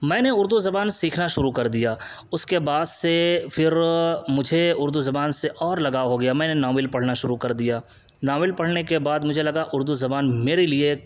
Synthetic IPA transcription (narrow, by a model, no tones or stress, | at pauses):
mɛ̃ːneʊɾd̪uzɐbaːnsiːkʰnaʃʊɾukɐɾd̪ijaː | ʊskebaːd̪sefʰɪɾmʊd͡ʒʱeʊɾd̪uzɐbaːnseʔɔːɾlɐɡaɦoɡɐjamɛ̃ːnenaːmɪlpɐɽ̤naʃʊɾukɐɾd̪ijaː | nãːwɪlpɐɽ̤nekebaːd̪mʊd͡ʒʱelɐɡaʔʊɾd̪uzɐbaːnmeːɾelie